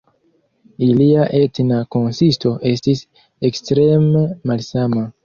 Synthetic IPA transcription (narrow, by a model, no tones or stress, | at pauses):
iliaʔe̞tnako̞nsisto̞ʔe̞stis | ekstɾe̞memalsama